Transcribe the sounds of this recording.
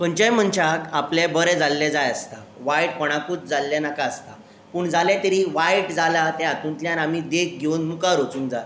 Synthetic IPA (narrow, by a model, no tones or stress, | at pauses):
pəɳt͡ɕəjm̤əɳt͡ɕakaplɛbəɾɛd͡zalːɛd͡zajəst̪a | ʋajʈ̚pɔɽ̃akuːt͡sd͡zalːɛnakaəst̪a | puːɳd͡zʱalɛ̃t̪əɾiʋajʈd͡zalat̪ɛ̃at̪ũːnt̪ljaɾamid̪ek̚ɡʱewnmukaɾot͡sũːŋkd͡zal